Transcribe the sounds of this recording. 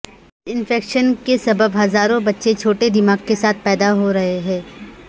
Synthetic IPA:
ɪnfeːkʃənkesɐbəbɦɐzaːɾõbɐtːʃet͡ʃʰoːʈed̪ɪmaːɡkesaːt̪̚ʰpɛːd̪aɦoɾɐɦeɦɛ̃ː

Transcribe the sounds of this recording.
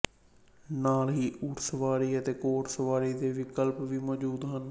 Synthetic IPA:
naːlɦiːʔuːɾsəʋaːɾiːət̪eːkoːʈsəʋaːɾiːd̪eːʋɪkəlpʋiːmɔːd͡ʒuːd̪ɦən

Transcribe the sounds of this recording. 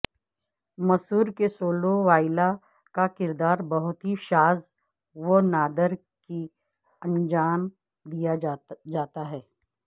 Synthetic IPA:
mɐsuːɾkesoːloʋaːɪla | kakɪɾd̪aːɾbɐɦʊt̪ɦiʃaːz | ʋonaːd̪əɾ | ki | ɐ̃nd͡ʒaːm | d̪ijad͡ʒaːt̪aɦɛː

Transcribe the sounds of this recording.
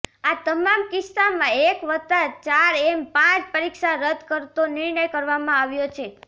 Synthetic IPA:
at̪əmamkɪst̪amãekʋət̪at͡ʃaɾempãt͡ʃpəɾikʃaɾəd̪ʱkəɾt̪onɪɾɳəjkəɾʋamãaʋjot͡ʃʰe

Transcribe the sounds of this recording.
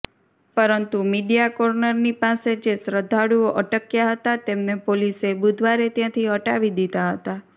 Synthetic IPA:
pəɾənt̪umiɖijakɔɾnəɾnipased͡ʒesɾəd̪ʱːaɽuoʔəʈəkjaɦət̪at̪emnepolisebud̪ʱʋaɾet̪jãt̪ʰiəʈaʋid̪it̪aɦət̪a

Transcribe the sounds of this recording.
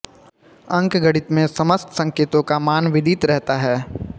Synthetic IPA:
ɐ̃ŋkɡɐɽɪt̪mẽsɐməst̪sɐ̃ŋkeːt̪õkamaːnʋɪd̪ʱit̪ɾɛɦt̪aɦɛː

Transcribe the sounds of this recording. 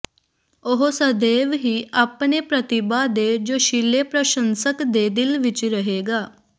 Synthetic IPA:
oɦosəd̪eːʋɦiːapneːpɾət̪ɪbaːd̪ed͡ʒoːʃɪleːpɾəʃə̃nsəkd̪eːd̪ɪlʋɪt͡ʃɾəɦeːɡaː

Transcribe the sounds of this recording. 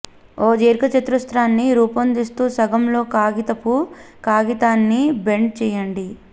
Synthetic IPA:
oːd͡ʒeːɾkɐt͡ʃɐt̪ɾust̪ɾaːnːiɾuːpɐnd̪ist̪uːsɐɡɐmlo̞ːkaːɡit̪ɐpukaːɡit̪aːnːibe̞ɳɖ̚t͡ʃɛːjɐɳɖi

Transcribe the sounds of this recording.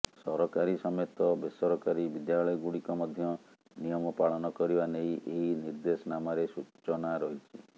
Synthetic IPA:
sɔɾɔkaɾisɔmet̪ɔbesɔɾɔkaɾibid̪jaɭɔjɔɡuɽikɔmɔd̪ʱjɔ | nijɔmɔpaɭɔnɔkɔɾibanejʔeɦiniɾd̪esɔnamaɾesut͡ʃɔnaɾɔɦit͡ʃʰi

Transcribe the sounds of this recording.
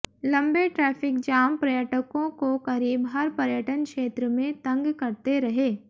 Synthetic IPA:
lɐ̃mbeʈɾɛːpʰɪkd͡ʒaːmpɾɐjəʈəkõkokɐɾiːbɦɐɾpɐɾjəʈənkʃeːt̪ɾəmẽt̪ɐ̃ŋɡkɐɾt̪eɾɐɦeː

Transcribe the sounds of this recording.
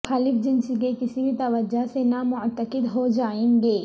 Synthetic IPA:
xaːlɪfd͡ʒɪnsikekɪsibʱit̪ɐʋəd͡ʒasenamʊt̪ːəkɪd̪ɦod͡ʒaːẽːŋɡeː

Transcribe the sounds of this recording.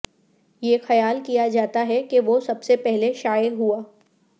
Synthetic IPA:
jexɐjaːlkijad͡ʒaːt̪aɦɛkeʋosɐbsepɛɦleʃaːəɦuaː

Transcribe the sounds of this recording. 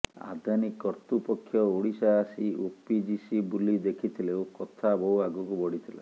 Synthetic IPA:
a̰d̪ʱanikːɔɾt̪upɔkʰːjɔoɽisaːsiopid͡ʒisibulid̪ekʰit̪ʰilewkɔt̪ʰabɔɦuaɡukubɔɽit̪ʰila̰

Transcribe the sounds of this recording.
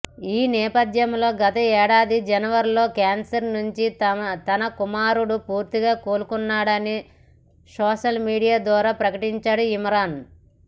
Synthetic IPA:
iːnɛːpɐd̪jɐmlo̞ːɡɐt̪ɐɛːɽaːd̪id͡ʒɐnɐʋɐɾlo̞ːkaːnsɐɾnuɲt͡ʃit̪ɐnɐkumaːɾuɽupuːɾt̪iɡaːkoːlukunːaːɽɐni | sɔːʃɐlmiːɽijaːd̪ʋaːɾaːpɾɐkɐʈiɲt͡ʃaːɽuimɐɾaːn

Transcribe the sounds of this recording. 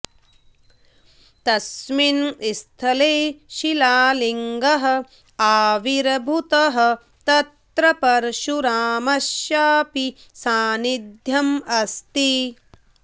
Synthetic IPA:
t̪ɐsminist̪ʰɐleːʃilaːliŋɡɐɦɐ̆ | aːʋiɾbʱut̪ɐɦɐ̆ | t̪ɐt̪ɾɐpɐɾʃuɾaːmɐʃjaːpi | saːnid̪ʱjɐmɐst̪i

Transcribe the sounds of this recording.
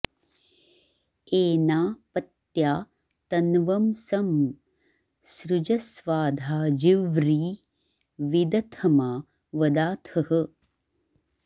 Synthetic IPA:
eːnaːpɐt̪jaː | t̪ɐnʋɐmsɐm | sɾud͡ʒɐsʋaːd̪ʱaːd͡ʒiʋɾiː | ʋid̪ɐt̪ʰɐmaː | ʋɐd̪aːt̪ʰɐhə̆

